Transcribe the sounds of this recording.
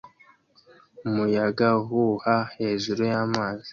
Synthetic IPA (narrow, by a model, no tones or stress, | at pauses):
umujaɡaɦuhahe̞ːʒuɾujaːmaːzi